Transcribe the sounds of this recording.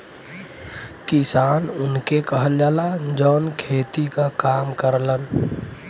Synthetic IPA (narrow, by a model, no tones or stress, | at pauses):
kisaːnʊnkekəɦəld͡ʒaːlad͡ʒɔːnkʰeːt̪ikakaːmkəɾlən